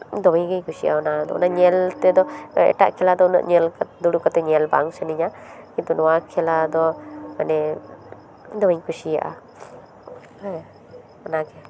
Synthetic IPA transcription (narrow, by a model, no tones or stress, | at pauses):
d̪ɔmijɡejkʰusija̰ɔnad̪ɔ̰ɔ̰naɲɛlt̪ɛd̪ɔɛ̰ʈa̰ʔkʰɛlad̪ɔna̰ʔɲɛlkd̪uɽukɔt̪ɛɲɛlbaŋsɛniɲakint̪unɔwakʰɛlad̪ɔmanɛ | d̪ɔmiɲkʰusija̰ʔa̰ | ɔnaɡɛ